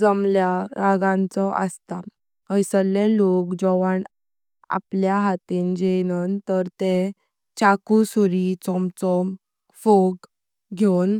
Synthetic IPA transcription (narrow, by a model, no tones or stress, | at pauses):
d͡zəmljaɾaɡãnt͡sɔʔə̰st̪a | əjsəlelokd͡ʑɔʋaɳ | a̰pljaɦat̪iːnd͡ʑenənt̪əɾt̪e | t͡ɕakusuɾit͡sɔmt͡sɔm | foɡ | ɡʱewn